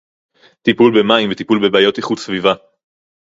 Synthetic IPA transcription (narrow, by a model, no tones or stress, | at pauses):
t̪ipulbemaimvet̪ipulbebaːjo̞t̪iχud̪sviva